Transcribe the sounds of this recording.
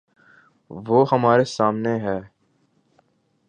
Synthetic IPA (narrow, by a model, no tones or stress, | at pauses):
ʋoːhɐmaːɾesaːmneɦɛː